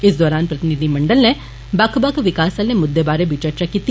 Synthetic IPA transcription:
ɪsd̪ɔːɾaːnpɾət̪ɪnid̪imɐ̃ɳɖəlne | bɐkʰbɐkʰʋɪkaːsalnemʊd̪ːebaːɾebiːt͡ʃəɾt͡ʃakiːt̪i

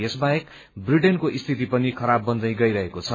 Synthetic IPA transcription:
jesbaek | briʈenkoʔist̪ʰit̪ipʌnikʰʌɾabːʌnd̪ʌj̃ɡʌjɾʌɦekot͡sʰʌ

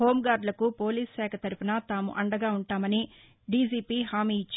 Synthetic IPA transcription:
hoːmɡaːɾɖlɐkupo̞ːliːssɛːkʰɐt̪ɐɾupinɐt̪aːmṵʔɐɳɖɐɡaːuɳʈaːmɐni | ɖiːd͡ʒiːpiːɦaːmiːit͡ʃː

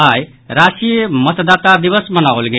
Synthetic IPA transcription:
aj | ɾasimət̪d̪at̪ad̪ibəsmənawlɡe

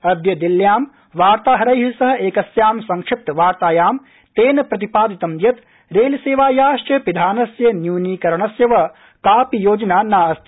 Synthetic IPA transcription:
ɐd̪jɐd̪iljaːm | ʋaːɾt̪aːɦɐɾɐjɦisɐɦɐ̆ʔeːkɐsjaːmsɐŋkʂɪp̚t̪ʋaːɾt̪aːjaːm | t̪eːnɐpɾɐt̪ipaːd̪it̪ɐmd̪jɐt̪ | ɾeːliseːʋaːjaːʃʈɐpid̪ʱaːnɐsjɐnjuːniːkɐɾɐɳɐsjɐʋɐ | kaːpijoːd͡ʒɐnaːnaːɐst̪ʰ

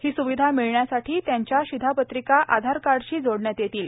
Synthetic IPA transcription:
hiːsuʋid̪ʱamiɭɳjasaʈʰiːt̪jaɲt͡ɕjaɕid̪ʱapət̪ɾikaʔa̰d̪ʱaɾkaɽɕiːd͡zoɽɳjat̪jet̪iːl

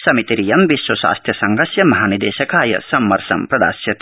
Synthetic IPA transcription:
sɐmit̪iɾijɐmʋiʃʋɐʃa̰ːst̪ʰjɐsɐŋɡɐsjɐmɐɦaːnid̪ḛːʃɐkaːjɐ̰sɐmːɐɾʃɐ̰mpɾɐd̪a̰ːsjɐt̪

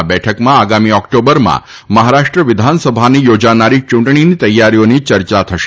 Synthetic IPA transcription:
bɛʈʰəkmãaɡamiɔkʈobəɾmã̰ | məɦaɾaʂʈɾəʋɪd̪ʱansəbʱanijod͡ʒanaɾit͡ʃũɳʈɳ̃init̪əjːaɾijonit͡ʃəɾt͡ʃat̪ʰəʃe̥

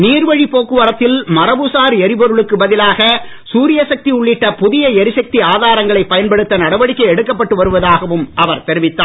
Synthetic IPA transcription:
niːɾʋɐɻipoːkːɯʋɐɾɐt̪ːɪlmɐɾɐbusaːɾɛɾɪpɔɾɯɭɯkːɯbɐðɪlaːɣɐ | suːɾɪjɐsɐk̚t̪iʊɭːɪʈːɐpʊðɪjɐɛɾɪsɐk̚t̪iaːðaːɾɐŋɡɐɭɐɪpːɐjɐnpɐɽɯt̪ːɐnɐɽɐʋɐɽɪkːɐɪɛɽɯkːɐpːɐʈːɯʋɐɾɯʋɐðaːɣɐʋɯmʔɐʋɐɾt̪ɛɾɪʋɪt̪ːaː

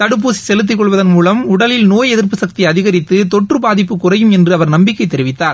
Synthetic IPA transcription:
t̪ɐɽɯp̬ːuːsi̥sɛlɯt̪ːɯkːɔɭʋɐðɐnmuːlɐmʊɽɐlɪlnoːjɛðɪɾpːɯsɐk̚t̪iɐðɪɣɐɾɪt̪ːɯt̪ɔʈrɯbaːðɪpːɯkʊrɐjɯmɛndrɯɐʋɐɾnɐmbɪkːɐɪt̪ːɛɾɪʋɪt̪ːaːɾ

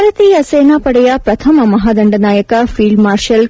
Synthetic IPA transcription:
ɾɐt̪iːjɐseːnaːpɐɽɛjɐpɾɐt̪ʰɐmɐmɐɦaːd̪ɐɳɖɐnaːjɐkɐfiːɭɖmaːɾʃɐl

